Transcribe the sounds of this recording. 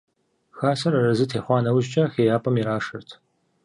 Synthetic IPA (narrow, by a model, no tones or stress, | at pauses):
xaːsɐɾɐrɐzɨtʰeːħʷɑːnɐwʑt͡ʃʼɐxeːjaːpʼɐmiɾaːʂɨrtʰ